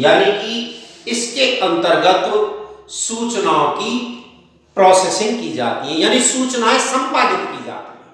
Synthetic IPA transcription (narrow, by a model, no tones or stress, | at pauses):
jaːniːkɪɪskeʔə̃nt̪əɾɡət̪ | suːt͡ʃnaːõki | pɾɔːsɛːsɪ̃ŋɡkiːd͡ʒa̰ːt̪iɦɛ̃jaːnisuːt͡ʃnaːesə̃mpaːnɪt̪kiːd͡ʒa̰ːt̪iɦɛː